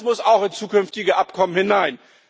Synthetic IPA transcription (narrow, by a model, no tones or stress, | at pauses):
smʊsaʊxɪnt͡suːkʏnftɪɡəʔapkʰɔmənhɪnaɪn